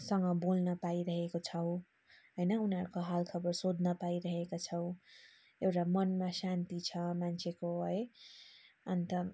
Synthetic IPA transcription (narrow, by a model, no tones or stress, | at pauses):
sʌŋɡʌbolnʌpaiɾʌɦekot͡sʰʌw̃ | ɦʌjnʌunɦʌɾukoɦalkʰʌbʌrsod̪ʱnʌpaiɾʌɦekot͡sʰʌw̃ | ewʈamʌnmasant̪it͡sʰʌmant͡sʰekoɦʌj | ʌnt̪ʌ